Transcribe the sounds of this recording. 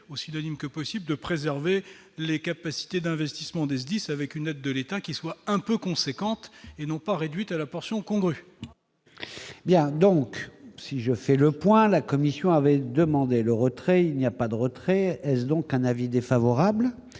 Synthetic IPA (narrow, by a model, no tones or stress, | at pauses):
osinɔnimkəpɔsibld̪əpχezɛʁve | lekapasi̥t̪ed̪ɛ̃vɛst̪i̥smɑ̃d̪es̬d̪isavɛkynɛd̪ːəlet̪akʲiswaɛ̃pøkɔ̃sekɑ̃t̪enɔ̃paʁed̪ɥit̪alapɔʁsjɔ̃kɔ̃ɡʁy | bjɛ̃d̪ɔ̃ksiʒəfɛləpwɛ̃lakɔmisjɔ̃avɛd̪əmɑ̃d̪eləʁət̪χɛilnijapad̪əʁət̪χɛɛsd̪ɔ̃kɛ̃navid̪efavɔʁabl